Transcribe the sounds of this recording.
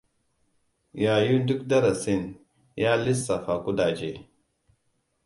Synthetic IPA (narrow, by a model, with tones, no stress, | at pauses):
ja˨ju˦ndu˦kda˦ɾa˨si˦˨n | ja˦li˦sːa˨fa˨ku˦da˨d͡ʒe˦˨